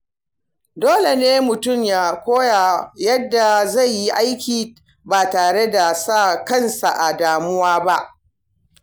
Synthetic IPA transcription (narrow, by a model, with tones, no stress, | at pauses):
doː˦le˨neː˦mʊ˨tʊ˦˨mjaː˨kʷoː˦ja˨jɐ˦dːa˨za˦˨jːi˦ʔa˦jkʲiː˨ | baː˨taː˨ɽe˦da˨sa˦˨kɐ˦˨nsa˨ʔa˨daː˨mʊ˦waː˦ba˦ʔ